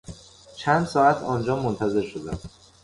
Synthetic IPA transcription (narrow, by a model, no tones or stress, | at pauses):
t͡ʃʰænd̪sɒːæt̪ʰɒːnd͡ʒɒːmont̪ʰæze̞ɾʃod̪æ̰m